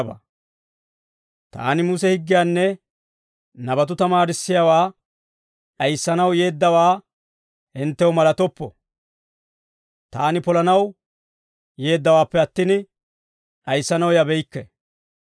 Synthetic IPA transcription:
bɐ̰ | t̪a̰ːnɪmʊsɛhɪɡːɪjaːnːɛ | nɐbɐt̪̬ʊt̪ɐmaːɾɪsːɪjawaː | ᶑɐjsːɐnɐwje̞ːd̪ːɐwaː | hɪnt̪ːɛwɔmɐlɐt̪ɔpːɔ̰ | t̪aːnɪpɔlɐnɐw | je̞ːd̪ːɐwaːpːɛɐt̪ːiːn | ᶑɐjsːɐnɐwjɐbɛjkːɛ

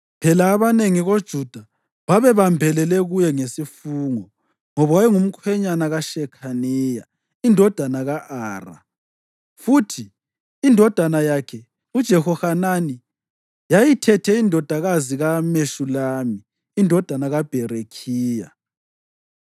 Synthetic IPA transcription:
pʰɛlaːβaneŋiɣod̥ʒ̥ʱud̥ʱa | βaβɛβambʱɛlɛlɛɣujɛŋesifuːŋɔ | ŋɔβawajiŋum̩kʰwɛɲanaɣaʃɛkʰaniːja̰ | indʱɔd̥ʱanaɣaʔaːra̰ | futʰiː | ndʱɔd̥ʱanajakʰɛ | ud̥ʒ̥ʱɛhɔhanani | jajitʰɛtʰɛindʱɔd̥ʱaɣaziɣameʃulaːmiː | ndʱɔd̥ʱanaɣab̥ʱɛɾekʰiːja̰

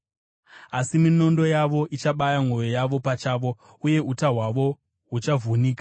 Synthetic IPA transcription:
asimino̞ndo̞jaʋo̞ʔit͡ʃaɓajaŋ̤o̞jo̞jaʋo̞pat͡ʃaːʋo̞ | uje̞utaɦwaʋo | ɦut͡ʃavuniːkḁ

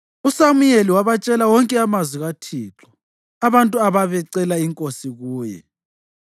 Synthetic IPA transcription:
usamujeliwaβat͡ʃʼɛlawɔŋkʼɛamazwiɣatʰiːǁɔ̥ | aβantʼuaβaβɛǀɛlaiŋkʼosiɣuːjɛ̰

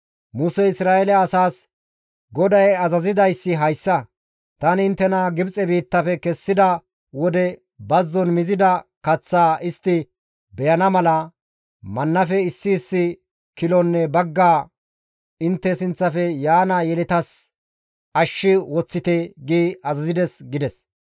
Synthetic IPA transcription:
mʊsɛɪsɾaːɛlɛɐsaːs | ɡɔd̪ɐjɐzɐzɪd̪ɐjsːɪɦɐjsːɐ | t̪ɐnɪnt̪ːɛnɐɡɪbt͡sʼɛbiːt̪ːɐfɛkɛsːɪd̪ɐ | wɔd̪ɛ | bɐzːɔnmɪzɪd̪ɐkɐt͡sːaːɪst̪ːɪ | bɛjɐnɐmɐlɐ | mɐnːɐfɛɪsːɪːsːɪ | kɪlɔnːɛbɐɡːaː | ɪnt̪ːɛsɪnt͡sːɐfɛjaːnɐjɛlɪt̪ɐs | ɐʃːɪwɔt͡sːɪt̪ɛɡiːɐzɐzɪd̪ɛsɡɪd̪ɛs

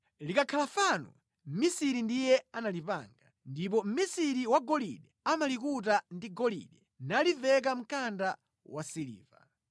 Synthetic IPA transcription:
likakʰalafanɔ̰ | m̩misiɾindijɛanalipa̰ŋɡa | ndip̬ɔm̩misiɾiwaɡɔlḭɗɛamalikutandiɡɔlḭɗɛ | nalivɛk̬am̩kanda | wasilḭːva̰

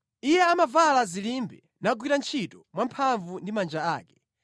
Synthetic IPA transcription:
ijɛamavalazilimbɛ̰ | naɡwiɾant͡ʃʰitɔmwampʰaɱvundimand͡ʒaaːkɛ̥

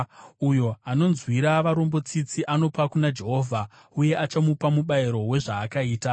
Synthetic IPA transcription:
ujo̞ano̞nzwiɾaʋaɾo̞mbo̞t͡sit͡siʔano̞pakunad͡ʒe̞ɦo̞ːvʱa | uje̞at͡ʃamupamuɓajiɾo̞we̞ʐaːkaiːta

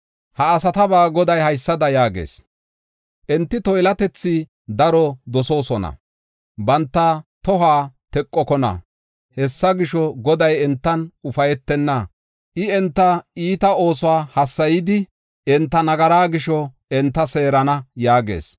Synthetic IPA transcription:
hɐːsɐt̪ɐbaːɡɔd̪ɐjhɐjsːɐd̪ɐjaːɡḛːs | ʔɛnt̪ːɪt̪ɔjlɐt̪ɛt͡sːɪ | d̪ɐɾɔd̪ɔsoːsɔnɐ̰ | bɐnt̪ːɐt̪ɔɦaːt̪ɛkʼːɔkɔnɐ̰ | hɛsːɐɡɪʃɔɡɔd̪ɐjɛnt̪ːɐnʊfɐjɛt̪ːɛnːɐ | ʔɪɛnt̪ːɐiːt̪ɐo̞ːs̬ɔwaːhɐsːɐjɪd̪ɪ | ʔɛnt̪ːɐnɐɡɐɾaːɡɪʃɔ | ɛnt̪ːɐse̞ːɾɐnɐjaːɡḛːs

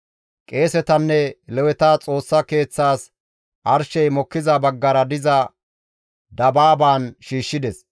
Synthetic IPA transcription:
kʼe̞ːsɛt̪ɐnːɛlɛwɛt̪aːt͡sʼo̞ːsːɐke̞ːt͡sːaːs | ʔɐɾʃɛjmɔkːɪzɐbɐɡːɐɾɐd̪ɪzɐ | d̪ɐbaːbaːnʃiːʃːɪd̪ɛs

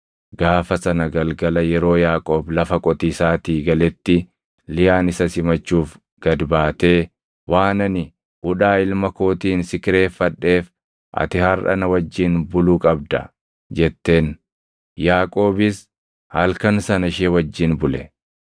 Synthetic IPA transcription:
ɡaːfɐsɐnɐɡɐlɡɐlɐjɛɾo̞ːjaːkʼo̞ːblɐfɐkʼɔt̪iːsaːt̪iːɡɐlɛt̪ːɪ | lɪjaːnɪsɐsɪmɐt͡ʃːuːf | ɡ̥ɐd̪baːt̪e̞ː | waːnɐnɪ | ʔʊᶑaːɪlmɐko̞ːt̪iːnsɪkɪɾe̞ːfːɐᶑːe̞ːf | ʔɐ̰t̪ɪhɐɾʔɐ̰nɐwɐd͡ʒːinbʊluːkʼɐb̚d̪ɐ̰ | d͡ʒɛt̪ːe̞ːn | jaːkʼo̞ːbɪs | hɐlkɐnsɐnɐɪʃewɐd͡ʒːɪnbʊlɛ

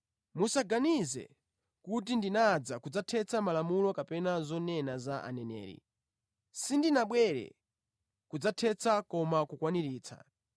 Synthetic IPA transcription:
musaɡanizɛ̰ | kut̬indinad͡zakud͡zatʰɛt͡sʰamalamulɔkapɛnazɔnɛnazaʔa̰nɛnɛ̰ːɾḭ | sindinaɓwɛɾɛ̰ | kud͡zatʰɛt͡sakɔmakukwaniɾiːt͡sʰa̰

